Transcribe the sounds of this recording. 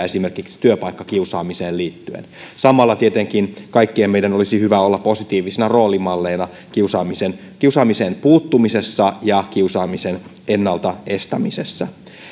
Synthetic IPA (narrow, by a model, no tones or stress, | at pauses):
esime̞rkiksi̥t̪yøpɑikːɑkiusɑːmiseːlliːt̪ːyḛnsɑmɑlːɑt̪iet̪eŋkinkɑikːiemmeidænolisihyʋæolːɑpposit̪iːʋisenɑro̞ːlimɑlːeːnɑ | kiusɑːmisen | kiusɑːmisempuːt̪ːumisesːɑjɑkiusɑːmisenʔenːɑlt̪ɑe̞st̪æmisesːæ